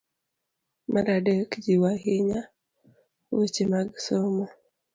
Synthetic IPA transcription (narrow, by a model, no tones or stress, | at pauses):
maɾadekd͡ʒiwaɦiɲa | wot͡ʃemaɡsoma